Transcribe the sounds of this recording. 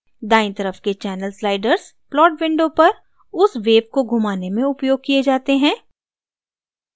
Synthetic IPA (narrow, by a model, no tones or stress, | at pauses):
d̪aːɪ̃nt̪ɐɾəfket͡ʃɛːnəlslaːɪɖəɾz̥plɔːʈʋɪ̃ɳɖopɐɾ | ʊsʋeːb̚koɡʱʊmaːnemẽʊpjoːɡ̚kied͡ʒaːt̪eɦɛ̃ː